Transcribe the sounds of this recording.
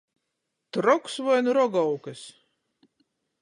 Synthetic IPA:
t̪ɾɔksvɔjnuɾɔɡɔwkɨs

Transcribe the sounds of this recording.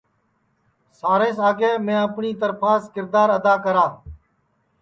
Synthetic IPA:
saːɾeːsaːɡeːmẽːəpɳiːt̪əɾpʰaːskɪɾd̪aːɾəd̪aːkəɾaː

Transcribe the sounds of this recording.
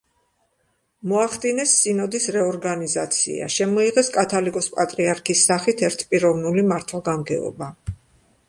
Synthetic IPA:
mɔaχd̪inɛsːinɔd̪isɾɛɔɾɡanizat̪sʰḭa̰ʃɛmɔiʁɛskʼat̪ʰalikʼɔspʼat̪ʼɾiaɾkʰisːaχit̪ʰɛɾt̪ʰpʼiɾɔvnulimaɾt̪ʰwaɡamɡɛ̰ɔ̰ba

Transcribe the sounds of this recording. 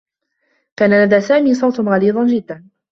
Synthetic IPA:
kaːnalad̪aːsaːmiːsˤɑwt̪nɣɑliːd̪ˤɑnd͡ʒɪd̪ːan

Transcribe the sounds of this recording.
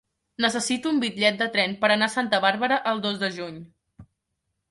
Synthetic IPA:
nəsəsit̪uːmbit̪ʎɛt̪̚d̪ət̪ɾɛnpəɾənasant̪əβaɾβəɾəʔəlˠd̪ozd̪əʒuɲ

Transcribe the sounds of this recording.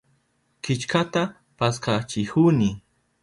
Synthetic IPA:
kɪt͡ʃkat̪a | paskat͡ʃɪhunɪ

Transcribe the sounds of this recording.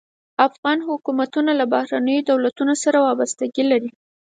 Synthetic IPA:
afɣɑnhʊkumat̪unalabahɾanəjod̪awlat̪unosaɾawɑbast̪aɡilaɾi

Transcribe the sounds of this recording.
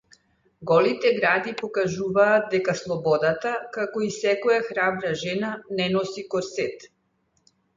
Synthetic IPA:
ɡɔlit̪ɛɡɾad̪ipɔkaʒuvaːd̪̚d̪ɛkaslˠɔbɔd̪at̪akakɔisɛkɔjaxɾabɾaʒɛnanɛnɔsikɔɾsɛt̪

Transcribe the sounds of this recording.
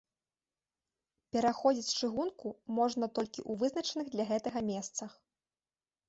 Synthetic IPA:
pʲɛɾaxɔd͡zʲit͡sʲt͡ʂɨɣunkumɔʐnɐt̪ɔlʲkʲiʔuvɨznɐt͡ʂɐnɨɣd̪lʲɐɣɛt̪ɐɣɐmʲɛst̪sɐx

